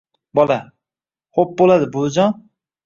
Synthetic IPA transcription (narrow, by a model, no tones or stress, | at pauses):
bɒlˠa | χop̚bolˠad̪ɪbʊd͡ʒɒn